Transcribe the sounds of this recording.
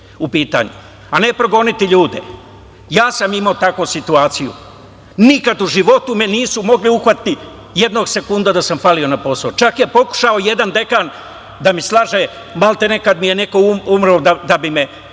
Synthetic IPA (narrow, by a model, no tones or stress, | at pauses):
upiːt̪a̰ːɲṵ | ane̞pɾo̞ɡo̞nit̪iʎuːd̪ḛ | jaːsamimaot̪akʋosit̪uaːt̪sijṵ | nikad̪uʒiʋo̞t̪umeniːsumo̞ɡliuxʋat̪ːi | jed̪no̞ːɡse̞kund̪ad̪asamfalio̞napo̞saot͡ʃakje̞po̞ku̥ʃaojed̪and̪e̞kan | d̪amislˠaːʒeː | malt̪ene̞kad̪mije̞neko̞uumɾod̪ad̪abime